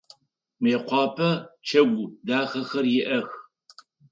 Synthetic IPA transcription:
meːqʷɑːpʰɐt͡ʃʰɐɡʷʊdaːχɐxɐrjɪʔɐx

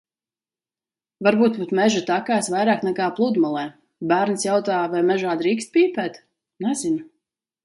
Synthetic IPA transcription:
vaɾbuːt̪̚but̪mɛʒut̪akaːsvajɾaːknɛkaːplˠud̪malˠɛː | bæːɾnsjawt̪aːvajmɛʒaːd̪ɾiːkst̪̚pʲiːpɛːt̪ | nɛzin

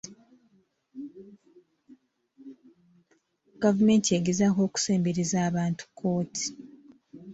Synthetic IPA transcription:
ɡ̥avume̞ːntieɡezako̞ːku̥se̞ːmbeɾizaːβaːntu̥kʰːo̞ːtʰi̥

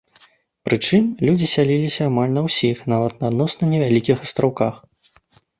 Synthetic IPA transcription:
pɾɨt͡ʂɨmlʲud͡zʲisʲalʲilʲisʲɐːmalʲnɐwsʲixnavɐt̪̚nɐːd̪nɔsnɐnʲɛvʲalʲikʲixɐst̪ɾawkax

